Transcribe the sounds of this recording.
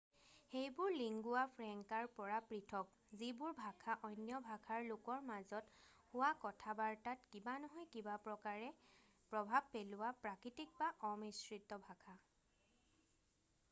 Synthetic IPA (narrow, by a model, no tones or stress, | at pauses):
xejbʊɹliŋɡʊapʰɹɛŋkaɹpɔɹapɹitʰɔk̚ | zibʊɹbʱakʰaʔɔjnjɔbʱakʰaɹlʊkɔɹmazɔthʊwakɔtʰabaɹtatkibanɔɦɔjkibapɹɔkaɹɛ | pɹɔbʱab̚pelʊwapɹakɹitik̚baʔɔmisɹitːɔbʱakʰa